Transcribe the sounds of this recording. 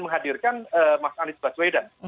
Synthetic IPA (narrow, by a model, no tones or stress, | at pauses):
məŋɦadirkanəmasaanisbaswedan